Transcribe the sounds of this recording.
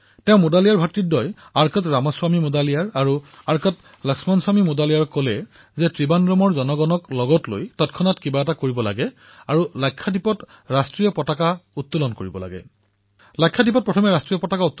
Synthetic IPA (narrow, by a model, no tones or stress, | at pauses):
tɛʊ̃modalijaɹbʱatɹit̚dɔjaɹkɔtɹamɔswamimodalijaɹaɹuaɹkɔt | lɔksmanswamimodalijaɹkɔlɛ | zɛtɹibanɹɔmɔɹzɔnɔɡɔnɔklɔɡɔtlo̰jtɔtkʰɔnatkibaɛtakoɹibɔla̰ɡɛ | aɹulajkʰːadipɔt | ɹastɹijɔpɔtakaut̪ːulɔnkoɹibɔ̰la̰ɡɛ̰ | lajkʰːadipɔt̚pɹɔtʰɔmɛɹastɹijɔpɔtakautː